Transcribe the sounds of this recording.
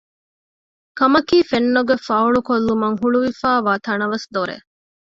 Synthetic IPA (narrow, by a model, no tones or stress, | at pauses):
kɐmɐkiːfenːoɡefɐuɭukolːumɐŋɦuɭuʋifæːʋaːt̪ɐnɐʋɐsd̪oɾḛ